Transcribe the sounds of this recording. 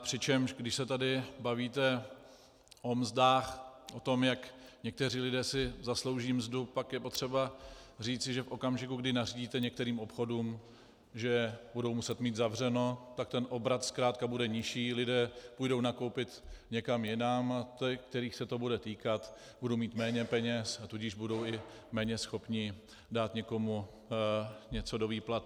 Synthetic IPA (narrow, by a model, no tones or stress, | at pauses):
pr̝̥ɪt͡ʃɛmʒɡdɪʃsɛt̪adɪbaviːt̪ɛ | ʔo̞mzdaːxʔot̪o̞mjakɲɛk̚t̪ɛriːlɪdɛːsɪzaslo̞wʒiːmzdupakjɛpo̞t̪r̝̥ɛbar̝iːt͡sɪʒɛfʔo̞kamʒɪkuɡdɪnariɟiːt̪ɛɲɛk̚t̪ɛɾiːmʔo̞pxo̞duːm | ʒɛbudo̞wmusɛt̪miːt̪zavr̝ɛno̞t̪akt̪ɛnʔo̞bɾat̪skɾaːt̪kabudɛɲɪʃiːlɪdɛːpujdo̞wnako̞wpɪt̪ɲɛkamjɪnamt̪ɛk̚t̪ɛɾiːxsɛt̪o̞budɛt̪iːkat̪ | budowmiːt̪mɛːɲɛpɛɲɛsat̪uɟɪʒbudo̞wɪ | mɛːɲɛsxo̞pɲɪ | daːt̪ɲɛko̞mu | ɲɛt͡so̞do̞viːplat̪